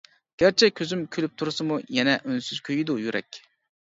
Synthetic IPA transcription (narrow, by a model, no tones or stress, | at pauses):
ɡ̥ʲæɾt͡ʃʰɛkʲʰøzymkʲʰylyp̚t̪ʰuɾsɨmujɛnɛʔønsyz̥kʲʰøjid̪ujyɾɛ̰kʲ